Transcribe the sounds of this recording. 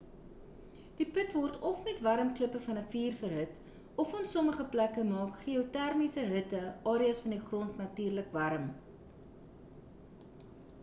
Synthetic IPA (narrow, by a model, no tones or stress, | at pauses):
d̥ipətvɔrtʰɔfmɛtvɐɾəmkləpəfɐnəfiːrfərɦət | ɔfɑːnsɔməχəplækəmɑːkχiotærmisəɦətəɑːɾiɐsfɐndiχrɔntnɐtyːrləkvɐɾəm